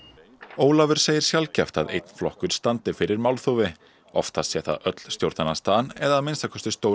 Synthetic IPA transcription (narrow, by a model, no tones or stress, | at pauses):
oːwlavʏɾ̥seːjɪɾ̥sjalcɛft̪aðḛjt̪n̥flɔhkʏɾ̥st̪ant̪ɪfɪɾɪɾmawlθovɪ | ɔ̰ft̪asjɛt̪a̰ðʔœt̪l̥st̪jowɾt̪anast̪aːnɛðaːðmɪnst̪akʰɔst̪ɪst̪ow